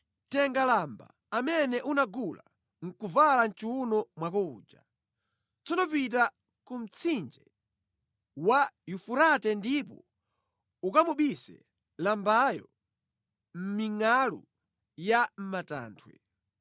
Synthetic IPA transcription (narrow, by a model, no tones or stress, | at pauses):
tɛŋɡalamba̰ːmɛnɛʔunaɡula̰ | ŋ̩kuvalan̩t͡ʃiunɔmwakɔṵːd͡ʒa̰ | t͡sɔnɔpita | kum̩t͡sʰind͡ʒɛ | wajufuɾatɛndipɔ̰ | ukamuɓisɛ̰ | lambajɔ̰ | m̩miŋalṵ | jam̩mata̰ːntʰwɛ̰